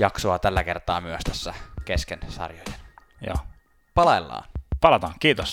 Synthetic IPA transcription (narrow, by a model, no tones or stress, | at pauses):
jɑksoɑt̪ælːækert̪ɑːmyøst̪æsːækeskensɑ̰rjojen | jo̰ː | pɑlelːɑ̰ːnpɑlɑt̪ɑːŋkiːt̪os